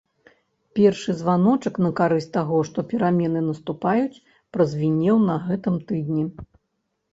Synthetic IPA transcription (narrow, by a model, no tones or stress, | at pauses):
pʲɛrʂɨzvanɔt͡ʂɐknɐkaɾɨsʲt̪aɣɔʂt̪ɔpʲɛɾamʲɛnɨnɐst̪upajut͡sʲ | pɾɐzʲvʲinʲːɛwnɐɣɛt̪ɨmt̪ɨd̪nʲi